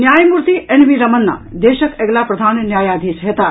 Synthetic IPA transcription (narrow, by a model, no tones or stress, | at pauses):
njaːjmuɾt̪iʔenʋiɾɐmənːa̰d̪eːʃəkeɡlapɾɐd̪ʱaːnnjaːjaːd̪ʱisɦet̪a